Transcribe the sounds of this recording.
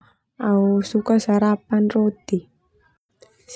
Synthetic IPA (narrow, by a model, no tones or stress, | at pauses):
ausukasaɾapanrot̪i | s